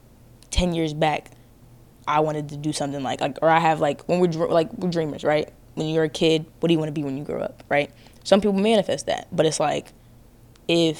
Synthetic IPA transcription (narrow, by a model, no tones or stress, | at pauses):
tʰɛ̃njɪɹzbæk | ʔaɪwɑ̃ɾ̃ɨd̚tʰɨdɨsʌ̃mθɪ̃ŋla̰ɪklaɪkə˞aɪɨvlaɪkwə̃nwɪɹdɹlaɪkwɪɹdɹĩmə̰˞z̥ɹaɪt̚ | wə̃njə˞ɨkʰɪd̚wʌt̚d̥ɨjɨwɑ̃nəbiwə̃njɨɡɹo̰ʊʌ̰p̚ɹaɪt̚ | sʌ̃mpipl̩ˠmæñɨfɛst̪̚ðæ̰t̚b̥ʌɾɨtslaɪk | ɪf